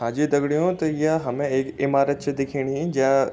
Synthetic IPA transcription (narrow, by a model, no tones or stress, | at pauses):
ãːd͡ʒid̪ɐɡɽijõt̪ɐjaɦɐmẽeːkɪmaːɾət̪̚t͡ʃd̪ɪkʰiːɽ̃iĩd͡ʒɐ̃